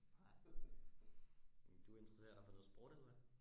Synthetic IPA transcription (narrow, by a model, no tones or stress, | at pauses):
ɑɪ̰ | d̥uæe̝nd̥ʁɐse̝̰ːɐd̥ɑ̈fɒ̽nɔ̽ð̩ˠsb̥ʁɔ̰ːd̥elʋæ